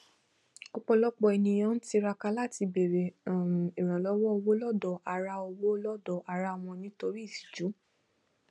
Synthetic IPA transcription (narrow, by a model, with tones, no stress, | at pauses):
o˦k͡pɔ˧lɔ˦k͡pɔ˧ɛ˧nĩ˧j̃ã˦n̩˦ti˧ɾa˧ka˧la˦˨ti˧be˨ɾe˨e˨ɾ̃ã˨lɔ˨˦wɔ˦o˧wo˦lɔ˦˨dɔ˨a˨ɾa˧o˧wo˦lɔ˦dɔ˨a˧˨ɾa˧a˨w̃ɔ̃˧nĩ˦to˧ɾi˦i˦˨si̥˨d͡ʒu˨˦